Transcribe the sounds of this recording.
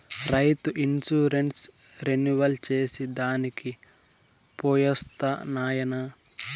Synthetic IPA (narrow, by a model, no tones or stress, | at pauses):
ɾɐjt̪uʔinsuːɾeɳʈsɾenuʋɐlt͡ʃeːsid̪aːniki | poːjɐst̪ɐnaːjɐnɐ